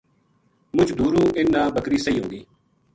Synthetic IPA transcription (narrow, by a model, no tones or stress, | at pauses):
mʊt͡ʃd̪uːɾũːʔɪnːãːbəkɾiːsəiːɦʊ̃ːnɡ̪iː